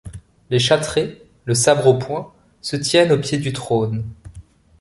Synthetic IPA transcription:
leʃat̪χe | ləsabʁopwɛ̃ | sət̪jɛnopjed̪yt̪χon

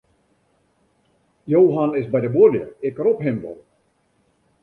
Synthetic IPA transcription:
jowɦanɪsbɛjdəboljə̰ɪkropɦɪmʋɔ̰l

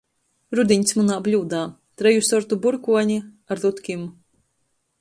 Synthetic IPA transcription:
ɾud̪iɲʲsmunaːblʲuːd̪aː | t̪ɾɛjusɔɾt̪ubuɾkuɔɲi | aɾd̪ut̪kʲim

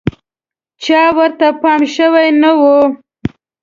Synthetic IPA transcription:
t͡ʃɑwəɾt̪apɑmʃəwajnawu

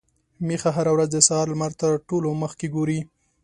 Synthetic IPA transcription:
mexaɦaɾawɾazd̪əsɑɑɾlmaɾt̪əɾʈoloməxkeɡoɾi

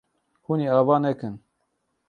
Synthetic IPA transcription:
huniːaːvaːnɛkɨn

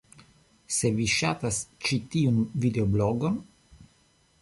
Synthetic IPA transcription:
seviʃat̪ast͡ʃit̪iunvid̪eobloɡon

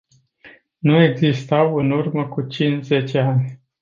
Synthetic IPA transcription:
nue̞ɡzist̪awɨnurməkut͡ʃint͡ʃze̞t͡ʃeanʲ

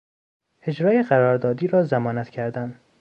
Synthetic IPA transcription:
e̞d͡ʒɾɒːjeɢæɾɒːɾd̪ɒːd̪iːɾɒːzæmɒːnæt̪cʰæɾd̪æn

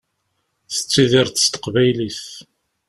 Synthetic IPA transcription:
θə̥t͡sːiðɪɾθə̥st̪ə̥qvæjliθ

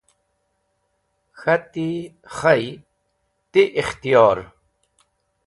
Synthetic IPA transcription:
xɐt̪iχɐj | t̪iʔiχt̪ijɑːɾ

